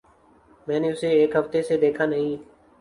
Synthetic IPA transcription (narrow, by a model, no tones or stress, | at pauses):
mɛ̃ːneːʊseːeːkɦəft̪eːseːd̪eːkʰaːnəɦĩː